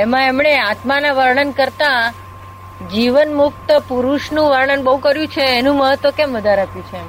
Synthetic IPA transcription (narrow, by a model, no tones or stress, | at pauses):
emãemɳeat̪manaʋəɾɳənkəɾt̪a | d͡ʒiʋənmʊk̚t̪əpuɾuʃnũʋəɾɳənbəɦũkəɾjũt͡ʃʰeːnũməɦət̪ʋəkɛmʋəd̪ʱaɾapjũt͡ʃʰe